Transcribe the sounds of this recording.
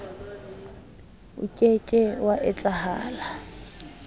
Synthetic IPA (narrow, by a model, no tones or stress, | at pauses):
ʊ̰kʼekʼɛwaʔɪt͡sʼaha̰ːla